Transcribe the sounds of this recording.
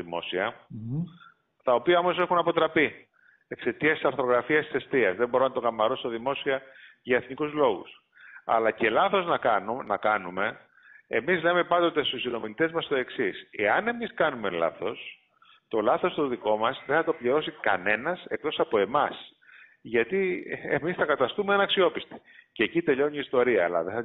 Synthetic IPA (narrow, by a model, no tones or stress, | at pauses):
imo̞̰siɐ | t̪ɐo̞piɐo̞mo̞se̞xunɐpo̞t̪ɾɐpi | e̞kse̞t̪iɐst̪i̥sɐɾθo̞ɣɾɐfiɐst̪i̥se̞st̪iɐzðe̞bo̞ɾonɐt̪o̞ɣɐmɐɾo̞sot̪ɐðimo̞siɐʝɐe̞θnikuzlo̞ɣṵs | ɐ̰lɐce̞lɐθo̞znɐkɐnnɐkɐnume̞ | ḛmizle̞me̞pɐnd̪ot̪e̞st̪usino̞milit̪e̞zmɐst̪o̞e̞ksise̞ɐne̞miskɐnume̞lɐ̰θo̞s | t̪o̞lɐθo̞st̪oðiko̞mɐsðeθɐt̪o̞pʎiɾo̞sikɐ̰ne̞nɐse̞k̚t̪o̞sɐpo̞e̞mɐs | ʝɐt̪iḛmisθɐkɐt̪ɐst̪umeɐnɐksio̞pist̪i̥cecit̪e̞ʎo̞ɲiːst̪o̞ɾiɐːlɐ̰ðeθɐ